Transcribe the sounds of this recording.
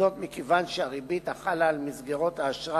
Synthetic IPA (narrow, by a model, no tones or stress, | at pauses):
o̞t̪mikevanʃeaʁibit̪aχalaːlmizɡeʁo̞t̪haːʃʁa